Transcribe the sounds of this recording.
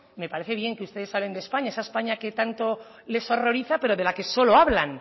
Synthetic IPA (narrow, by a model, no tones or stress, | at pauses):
me̞paɾeθe̞β̞je̞ŋkeust̪e̞ðe̞saβle̞nd̪espaɲaesaespaɲake̞t̪ant̪o̞ | le̞so̞ro̞ɾiθape̞ɾoðe̞lake̞so̞lo̞aβlan